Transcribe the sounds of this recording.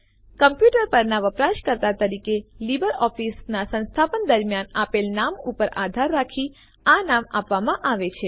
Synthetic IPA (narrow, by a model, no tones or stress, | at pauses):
kəmpjuʈəɾpəɾnaʋəpɾaʃkəɾt̪at̪əɾikelibəɾɔfisnasə̃nst̪ʰapənd̪əɾmjanapelnamupəɾʔad̪ʱaɾːakʰi | anamapʋamãʔaʋet͡ʃʰe